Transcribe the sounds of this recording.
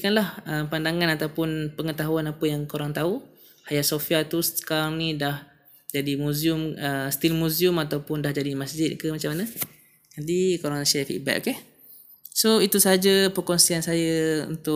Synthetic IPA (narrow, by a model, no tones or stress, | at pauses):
kanlahəmpandaŋãnat̪awpʊnpəŋət̪aɦuanapəjaŋkoɾaŋt̪au | hajaʔsofiat̪usə̥kaɾaŋnĩdah | d͡ʒadimuziʊməst̪ilmuziʊmat̪awpʊndahd͡ʒadimasd͡ʒɪt̪̚kəmat͡ʃamːanə | ɡadikoɾaŋsaafḭʔ̚bɛ̰ʔ̚ke | soit̪usaɦad͡ʒapərkɔnsiansajaṵnt̪ʊ